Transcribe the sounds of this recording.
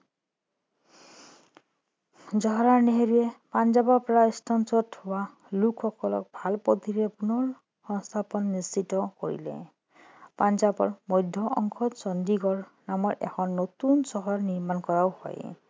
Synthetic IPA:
zɔɦɔɹaɹneɦeɹujɛpand͡ʒabɔɹpɔɹaistʰansɔthʊwa | lukʰxɔkɔlɔ̰k̚bʱalpod̪ʱiɾɛpunɔɹ | xɔŋst̪ʰapɔnːisitɔkoɹḭlɛ̰ | panzabɔ̰ɹmɔjdʱɔʔɔ̰ŋkʰɔtsɔndiɡɔɹnamɔɹʔɛ̰kʰɔnːot̪unsɔɦɔɹniɹmankɔɹawhɔ̰j

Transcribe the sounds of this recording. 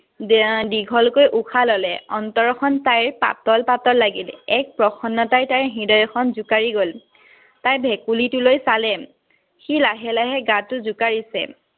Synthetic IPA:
diɡʱɔlkojʔukʰalɔlɛɔntɔɹɔkʰɔntajɹpa̰tɔlpatɔlːaɡilɛk̚pɹɔxʰɔnːɔtajtaɹɦidɔjɔxʰɔnzʊkaɹiɡol | tajbʱɛkulitʊlojsalɛ | xilaɦɛlaɦɛɡatʊzʊkaɹisɛ̰

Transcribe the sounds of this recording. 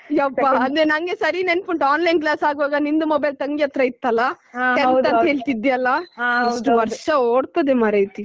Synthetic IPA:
ɐpːaɐnd̪enɐŋɡesɐɾineɳpuɳʈaːnlɐjnklaːsaːɡuʋaːɡɐnind̪umobɐjlt̪ɐŋɡijɐt̪ɾɐit̪ːɐlːa | ɛɐnɦeːɭt̪id̪ijɐlːɐɐsʈuʋɐɾʂɐoːɽt̪ɐd̪emɐɾejt̪i

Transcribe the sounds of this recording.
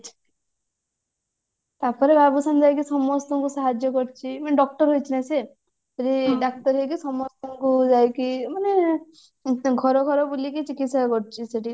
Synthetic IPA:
t͡ʃʰ | t̪apɔɾebabusand͡ʒajkisɔmɔst̪ɔŋkusaɦad͡ʒjɔkɔɾt͡ʃʰimaneɖɔk̚ʈɔɾɦojt͡ʃʰinase | seʈiɖak̚ʈɔɾɦejk̬isɔmɔst̪ɔŋkud͡ʒajkimane | ɡʱɔɾɔɡʱɔɾɔbulikit͡ʃikit̪sakɔɾt͡ʃʰiseʈi

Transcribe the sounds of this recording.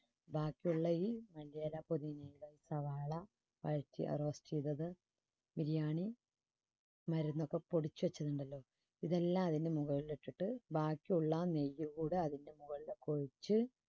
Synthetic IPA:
baːkːiuɭːɐiːmɐlijaːlapoðinɐjiloːiːsɐʋaːɭɐ | ʋɐ̰ɻtːḭʔɐ̰rɐʋɐstijðɐðɨ | miɾijaːɳi | mɐɾunːo̞kːe̞po̞ɽit͡ɕːuʋɐt͡ɕːɐðuɳɖɐlːo̞ː | iðelːaːmɐðindemuɣɐɭileʈːiʈːɨbaːkːiuɭːɐnejːuɣuːɽɨɐðindemuɣɐɭilekoɻit͡ɕːɨ

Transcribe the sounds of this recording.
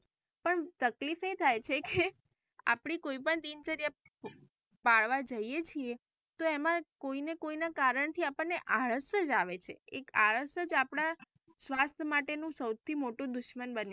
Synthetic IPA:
pəɳt̪əklifet̪ʰajt͡ʃʰeke | a̰pɳ̃ikoipəɳt̪int͡ʃəɾija | paɭʋad͡ʒəijet͡ʃʰie | t̪oemãkoinekoinakaɾəɳt̪ʰiapəɳneʔaɭəʃəd͡ʒaʋet͡ʃʰeekaɭəʃəd͡ʒapɽ̃a | sʋast̪ʰəmaʈenũsəwt̪ʰimoʈũd̪ʊʃmənbən

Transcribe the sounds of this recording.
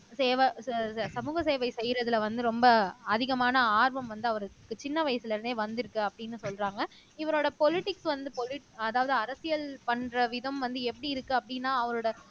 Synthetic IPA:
seːʋɐsɐmuːɣɐseːʋɐɪsɛjɾɐðɪlʋɐnd̪ɯɾɔmbɐɐðɪɣɐmaːnɐaːɾʋɐmʋɐnd̪ɯɐʋɐɾɯkːɯt͡ʃɪnːɐʋɐjɐsɪlɪɾɯnd̪eːʋɐnd̪ɪɾɯkːɯɐpːɐɽɪnːɯsɔlɾaːŋɡɐ | ɪʋɐɾoːɽɐpɔlɪʈɪksʋɐnd̪ɯpɔlɪʈɐðaːʋɐðɯɐɾɐsɪjɐlpɐɳrɐʋɪðɐmʋɐnd̪ɯɛpːɐɽiɪɾɯkːɯɐpːɐɽɪnːaːɐʋɐɾoːɽɐ

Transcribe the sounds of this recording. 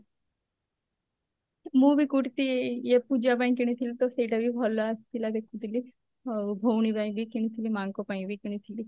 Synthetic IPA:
mũbʱikuʈt̪ijepud͡ʒabaĩkiɽ̃it̪ʰilit̪oseʈabʱibʱɔlːast̪ilad̪ekʰːũt̪ili | bʱowɳ̃ibaĩbʱikiɽ̃it̪ʰilimaŋkopaĩbʱikiɽ̃it̪ʰili

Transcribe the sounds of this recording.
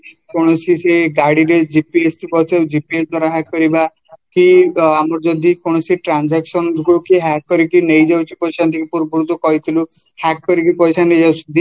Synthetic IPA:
kɔɽ̃ɔsiseɡaɽiɾed͡ʒipiest̪ibɔt̪ʰed͡ʒipiesd̪waɾaɦakːɔɾiba | kiamɔɾd͡ʒɔd̪ʱikɔɽ̃ɔsiʈɾand͡ʒaksɔnɾukukiɦakːɔɾikinejd͡ʒawt͡ʃʰi̥pɔjsant̪ʰikipuɾbuɾut̪ɔkɔit̪ʰilu | hakkɔɾik̬ipɔjsanejd͡ʒawsud̪i

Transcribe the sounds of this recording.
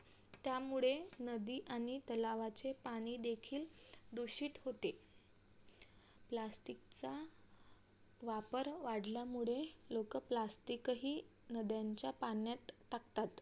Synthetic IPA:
t̪jamuɭenəd̪iːʔaɽ̃iʔt̪əlaʋat͡sepaɽ̃iːd̪ekʰiːld̪uɕiːt̪ɦot̪e | plasʈikt͡sa | ʋapəɾʋaɽljamuɭelokəplasʈikɦiː | nəd̪jaɲt͡ɕjapanjat̪ːakt̪at̪

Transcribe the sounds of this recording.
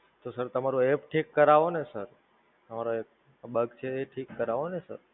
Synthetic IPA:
t̪osəɾt̪əmaɾũepʈʰikːəɾaʋonesəɾ | t̪əmaɾoek̚ | bəɡt͡ʃʰeːʈʰikːəɾaʋonesə̰ɾ

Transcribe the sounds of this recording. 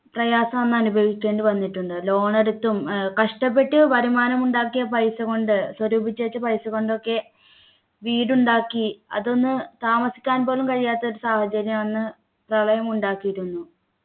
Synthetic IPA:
prɐjaːsɐmɐnːɐnubʱɐʋikʲːeːɳɖɨʋɐnːiʈːuɳɖɨlo̞ːɳɐɾut̪ːumkɐʂʈɐp̬ːe̞ʈːɨpɐɾimaːnɐmuɳɖaːkːijɐpɐjsɐko̞ɳɖɨswɐɾuːbʱit͡ɕːeːt͡ɕːɨpɐjsɨɣo̞ɳɖo̞kːe̞ | ʋiːɽuɳɖaːkːiɐ̰ðo̞nːɨt̪aːmɐsi̥kʲːaːnpo̞ːlumkɐɻijaːt̪ːɐo̞ɾusaːhɐt͡ɕɐɾjɐmɐnːɨ | prɐɭɐjɐmuɳɖaːkːijiɾunːu

